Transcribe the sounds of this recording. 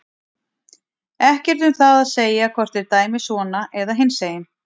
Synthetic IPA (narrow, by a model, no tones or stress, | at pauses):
ɛhcɛɾ̥t̪ʏmθaðaðseːjakʰvɔr̥t̪ɪɾt̪aːjmɪsɔːnaʔɛðaɦɪnseːjɪn